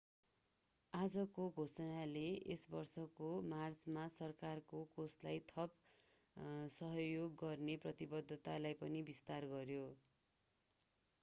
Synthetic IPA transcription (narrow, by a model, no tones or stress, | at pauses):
ad͡zʌkoɡʱosʌnaleḛsbʌrsʌkomart͡smasʌrkarkokoslajt̪ʰʌp | sʌɦʌjoɡːʌrneprʌt̪ibʌd̪ʱːʌt̪alajpʌnibist̪arɡʌrjo